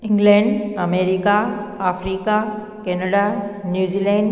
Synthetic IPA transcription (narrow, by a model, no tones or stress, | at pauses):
ɪ̃ŋɡlɛ̃ːɳɖɐmeːɾikaaːfɾiːka | kenəɽanjuːzilɛ̃ːɳɖ